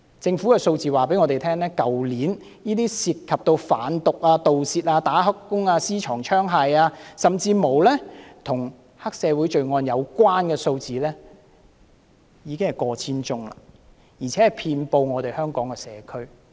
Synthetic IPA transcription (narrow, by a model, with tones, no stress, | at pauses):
t͡sɪ˧ŋfu˨˥kɛː˧so˧wt͡siː˨waː˨˩pe˨˥jŋɔː˨˧t̪e˨˩jt̪ʰɛː˥ŋlɛː˥kɐ˨wliː˨˥n | niː˥t̪iː˥siː˨˧t̚kʰːɐ˨p̚t̪o˧wfa̰ː˨˥nt̪ʊ˨k̚aː˧t̪o˨wsiː˨˧t̚aː˧t̪aː˨˥ɦɐ˥kkːʊ˥ŋaː˧siː˥t͡ʃʰɔː˨˩ŋt͡ʃʰœː˥ŋɦaː˧jaː˧sɐ˨˩mt͡siː˧mo˨˩wlɛː˥t̪ʰʊ˨˩ŋ | hɐ˥k̚sɛː˨˧wuː˨˥jt͡ʃɵ˧ɥŋɔː˧njɐ˨˧wkʷwaː˥nkɛː˧so˧wt͡siː˨lɛː˥ | jiː˨˧kɪ˥ŋhɐ˨jkɔː˧t͡sʰiː˥nt͡sʊ˥ŋla̰ː˨˩ | jiː˨˩t͡sʰɛː˨˥hɐ˨jpʰiː˧npo˧wŋɔː˨˧t̪e˨˩jhœː˥ŋkɔː˨˥ŋkɛː˧sɛ̰ː˨˧kʰɵ˥ɥ